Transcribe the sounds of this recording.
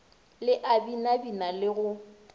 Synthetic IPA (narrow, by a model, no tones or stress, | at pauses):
lɪʔabinabinalɪɣʊ